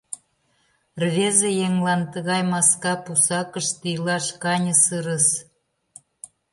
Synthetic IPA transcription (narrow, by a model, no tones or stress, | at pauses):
rβezejeŋlɑnt̪əɣɑjmɑskɑpusɑkəʃt̪ijlɑʃkɑnʲəsɯɾəs